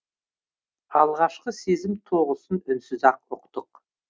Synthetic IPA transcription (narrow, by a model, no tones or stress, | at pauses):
ɑlˠʁɑʃqəse̞zɪmt̪ʰo̞ʁəsənʏnsɪzɑqʊqt̪əq